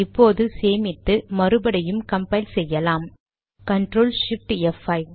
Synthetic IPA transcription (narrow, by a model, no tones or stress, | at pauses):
ɪpːoːðɯseːmɪt̪ːɯmɐɾɯbɐɽɐjɯmkɐmpɐɪlsɛjːɐlaːm | kɐɳʈɾoːlʂɪp̚ʈɛfːɐɪ